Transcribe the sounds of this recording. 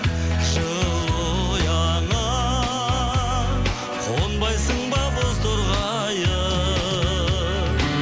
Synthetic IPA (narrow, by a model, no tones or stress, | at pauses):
ʒəl | jɑɴə | qʰonbɑjsəɴbɑbozt̪ʰʊɾʁɑ | jə